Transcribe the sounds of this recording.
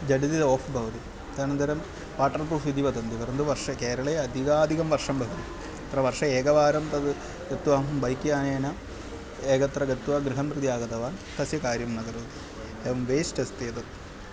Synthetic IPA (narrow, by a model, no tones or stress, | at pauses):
d͡ʑɐɖid̪iðoːfʰbʱɐʋɐt̪i | t̪anɐnd̪ʱɐɾɐm | ʋaːʈːɐrpruːfʋid̪ipɐd̪ɐnd̪iʋɐɾɐnd̪uʋɐrʂɐkeːɾɐɭejɐd̪ʱiɡaːd̪ʱiɣɐmʋɐrʂɐmbʱɐʋɐt̪i | ɐt̪rɐʋɐrʂɐeːɡɐʋaːɾɐmt̪ɐd̪ɨ | ɡɐt̪ːuʋaːmbɐjkːjaːneːna | eːɡɐt̪rɐɡɐt̪ːuʋaɡɾiɦɐmprɨd̪jaːɡɐd̪ɐʋaːnt̪ɐsjɐkaːɾjɐmnɐɡɐɾuːt̪i | eʋɐmʋeːsʈɐst̪eːt̪ɐt̪ː